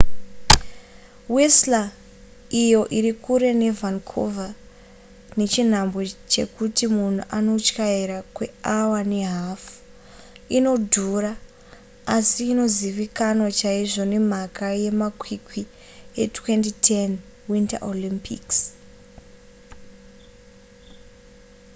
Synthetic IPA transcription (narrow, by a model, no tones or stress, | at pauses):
wesla | ijo̞ʔiɾikuɾe̞ne̞vankʰo̰va | ne̞t͡ʃin̤ambo̞t͡ʃe̞̰kutimun̤uʔano̞t͡ʃkaiɾakwe̞awane̞ɦafu̥ | ino̞dʱura | asiːno̞ziʋikanot͡ʃaiʐo̞ne̞m̤akajemakwikwi | etwe̞ntitʰen | winta̰ʔolimpḭks